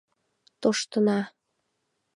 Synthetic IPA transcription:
t̪oʃt̪ənɑ

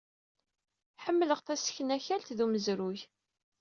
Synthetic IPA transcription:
ħəmːləʁθæsə̥çənæçælt̪ðuməzɾuç

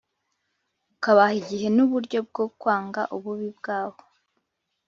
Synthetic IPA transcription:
ukaβahiɟiɦe̞nuβuɾɟo̞b̚ɡo̞kwaːŋɡa̰ʔuβuβibɡaːβo

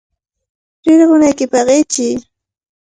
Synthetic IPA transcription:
ɾɪɾɢʊnajkɪpɑɢɪt͡ʃɪ

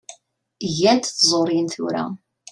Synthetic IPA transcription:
ʝænt̪θzˤoɾinθʊ̰ɾa̰

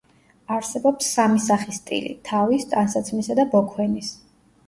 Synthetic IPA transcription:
aɾsɛbɔpsːamisaχist̪ʼḭlḭt̪ʰavist̪ʼansat̪sʰmisad̪abɔkʰwɛnis

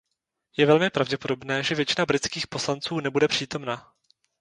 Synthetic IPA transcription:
jɛvɛlmɪpɾavɟɛpo̞do̞bnɛːʒɛvjɛt͡ʃɪnabɾɪt͡skiːxpo̞slant͡suːnɛbudɛpr̥iːt̪o̞mna

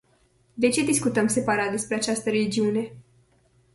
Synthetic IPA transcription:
d̪e̞t͡ʃe̞d̪iskut̪əmse̞paɾat̪̚d̪e̞spɾe̞at͡ʃast̪əɾe̞lid͡ʒiune̞

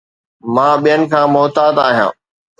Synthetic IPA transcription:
mãːɓijənɪ̆kʰãːmɔːt̪aːd̪aːɦijã̰ː

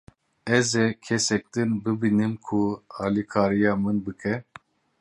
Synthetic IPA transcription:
ɛzɛkʰɛsɛk̚t̪ɨnbɨbinɨmkʰuɑːlikʰaːɾijɑːmɨnbɨkʰɛ

